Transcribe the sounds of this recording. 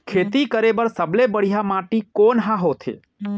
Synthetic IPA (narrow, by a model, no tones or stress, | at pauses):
kʰeːt̪ikəɾebəɾsəblebəɽ̤ijamãʈikoːnɦãɦot̪ʰḛ